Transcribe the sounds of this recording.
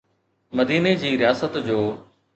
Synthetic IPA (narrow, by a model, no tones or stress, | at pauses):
məd̪iːned͡ʑiːɾɪjaːsət̪d͡ʑoː